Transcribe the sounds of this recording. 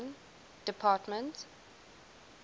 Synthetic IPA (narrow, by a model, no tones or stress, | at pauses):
n | d̥ɪpʰaːtmə̃nt